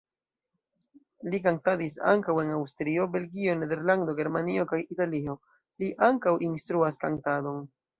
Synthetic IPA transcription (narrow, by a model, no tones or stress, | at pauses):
likaŋtadis̬a̰ŋkawe̞nawstɾio̞be̞lɡio̞ne̞de̞ɾlando̞ɡe̞ɾmanio̞kajitalio̞ | liʔaŋkawʔinstɾuaskantado̞n